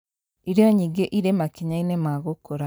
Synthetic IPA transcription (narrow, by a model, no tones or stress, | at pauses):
iɾjoɲiɡeʔiɾemakiɲainemaɣokoɾa